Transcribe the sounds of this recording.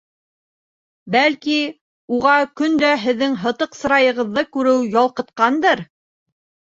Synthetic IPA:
bælki | uʁɑkɵnd̪æɦɘ̆ðːɘŋɦɤ̆t̪ɤqsɤ̆ɾɑjɤ̆ʁɤ̆ðːɤkʉɾɘwjɑlˠqɤ̆t̪qɑnd̪ɤɾ

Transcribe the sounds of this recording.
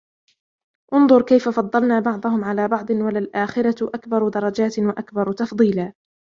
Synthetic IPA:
ʔʊnd̪ˤʊɾˤkajfafɑd̪ˤːɑlnaːbɑʕd̪ˤɑhʊmʕalaːbɑʕd̪ˤɨnwalalʔaːxɪɾaʔakbɑɾˤd̪ɑɾˤɑd͡ʒaːt̪waʔakbɑɾˤt̪ɑfd̪ˤiːlaː

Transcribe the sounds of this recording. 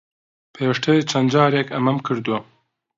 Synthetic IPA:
pʰeːwɪʃtʰɐit͡ʃʰɐnd͡ʒɑːɾekʰɐmɐmkʰɨɾd̪uwɐ

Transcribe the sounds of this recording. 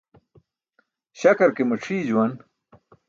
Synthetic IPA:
ɕɐkɐɾkemɐʈ͡ʂʰiːd͡ʑuwɐn

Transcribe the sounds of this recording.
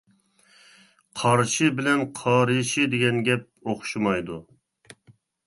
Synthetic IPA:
qʰɑɾʃɪbɪlɛnqʰɑːɾɨʃɪd̪ɪɡʲɛnɡʲɛp̚oχʃumɑjd̪u

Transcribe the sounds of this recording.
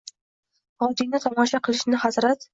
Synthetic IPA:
ɒd̪inɪt̪ʰɒmɒʃaqʰɨlˠɪʃnɪhazɾat̪

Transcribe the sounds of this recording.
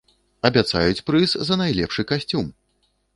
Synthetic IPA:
ɐbʲat̪sa̰jut͡sʲpɾɨszɐnajlʲɛ̰pʂɨkasʲt͡sʲum

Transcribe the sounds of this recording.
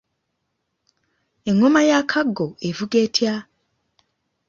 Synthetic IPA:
eŋomajakʰaɡoevuɡetʰja

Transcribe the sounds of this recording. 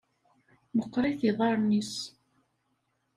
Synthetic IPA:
məqːɾˤiθiðˤɑɾˤnis

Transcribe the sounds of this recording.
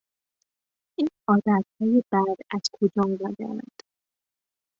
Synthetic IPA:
ʔiːnɒːd̪æt̪̚hɒːjebæd̪æz̥kʰod͡ʒɒːmidɒːd̪æ̰ɾæ̰nd̪̥

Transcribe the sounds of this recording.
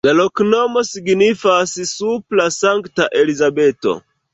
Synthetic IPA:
lalo̞kno̞mo̞siɡnifassuplasaŋktaʔelizabe̞to̞̰

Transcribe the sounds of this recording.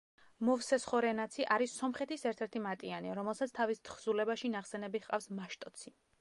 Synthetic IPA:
mɔvsɛsχɔɾɛnat̪sʰiʔaɾisːɔmχɛt̪ʰisɛɾt̪ʰɛɾt̪ʰimat̪ʼianiaɾɔmɛlˠsat̪sʰt̪ʰavist̪ʰχz̥ulɛbaʃinaχsɛnɛbiχqʼafsmaʃt̪ʼɔt̪sʰi

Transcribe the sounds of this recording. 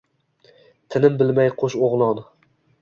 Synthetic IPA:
t̪ʰɪnɪmbɪlmajqʰoʃoʁlˠɒn

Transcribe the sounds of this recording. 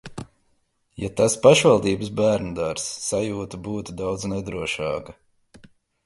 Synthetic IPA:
jat̪aspaʃvalˠd̪iːbəsbæːɾnud̪aɾsːajuːt̪ubuːt̪ud̪awd̪znɛd̪ɾuɔʃɑ̰ːkɐ

